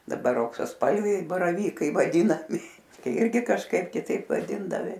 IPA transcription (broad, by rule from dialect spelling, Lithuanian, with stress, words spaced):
dɐˈbɐr ɐʊksɐsˈpɐlʲʋʲɛɪ bɐrɐˈʋʲiːkɐɪ ʋɐˈdʲiːnɐmʲɪ ˈɪrʲɡʲɪ kɐʃˈkɐɪp kʲɪˈtɐɪp ʋɐˈdʲɪndɐʋʲɪ